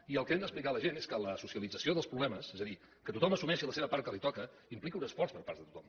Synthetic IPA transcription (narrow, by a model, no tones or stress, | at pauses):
iəlˠkɛmd̪əsplikaləʒeneskələsusiəlid͡zəsioðəlˠspɾuβlɛməsɛzəði | kət̪ut̪ɔməsumɛʃiləseβəpaɾt̪̚kəlit̪ɔkə | implikiunəsfɔrspəɾpa̰ɾt̪ət̪ut̪ɔ̰m